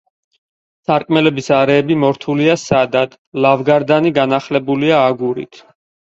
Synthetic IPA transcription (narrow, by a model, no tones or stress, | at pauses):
saɾkʼmɛlɛbisaɾɛːbimɔɾt̪ʰuliasad̪ad̪̥ | lavɡaɾd̪aniɡanaχlɛbuliaːɡuɾḭt̪ʰ